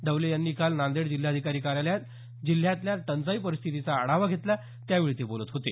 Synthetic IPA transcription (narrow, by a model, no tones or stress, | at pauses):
d̪əwlejanːiːkalnand̪eɽd͡ʑil̤ːjaəd̪ʱikaɾiːkaɾaljat̪ | d͡ʑil̤ːjãt̪ljat̪ənt͡saipəɾist̪ʰit̪it͡saəɽaʋaɡʱet̪la | t̪jaʋiɭit̪ibolət̪ɦot̪e